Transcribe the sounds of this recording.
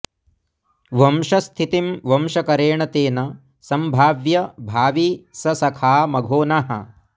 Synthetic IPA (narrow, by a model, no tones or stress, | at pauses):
ʋɐmʃɐst̪ʰit̪imʋɐmʃɐkɐɾeːɳɐt̪eːnɐ | sɐmbʱaːʋjɐbʱaːʋisɐsɐkʰaːmɐɡʱoːnaɦɐ̰